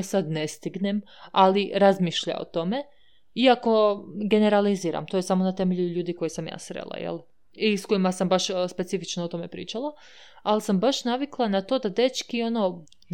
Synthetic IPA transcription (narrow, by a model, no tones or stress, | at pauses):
sad̪nest̪iɡne̞m | aliɾazmiːʃʎa̰o̰t̪o̞me̞ | iako̞ɡe̞ne̞ɾaliziːɾa̰mt̪ojesamonat̪e̞me̞ʎuʎuːd̪iko̞jisamja̰ːsɾḛlˠa̰jḛlˠ | isko̞imasambaʃspe̞tsifit͡ʃnoot̪o̞me̞pɾḭːt͡ʃalˠa | alsambaʃnaʋiklˠanat̪o̞ːd̪ad̪e̞t͡ʃkio̞no | n